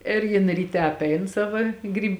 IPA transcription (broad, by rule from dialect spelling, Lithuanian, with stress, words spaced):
ɪr ˈjɪn rʲiːˈtʲɛ ɐpʲˈɛɪn ˈsɑːʋɐ ˈɡrʲiːp